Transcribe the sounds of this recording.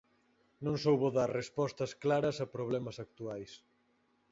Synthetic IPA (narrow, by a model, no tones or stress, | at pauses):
nõŋsowβoðaɾrespɔst̪ɐsklaɾɐsɐpɾoβlɛmɐsɐk̚t̪uajs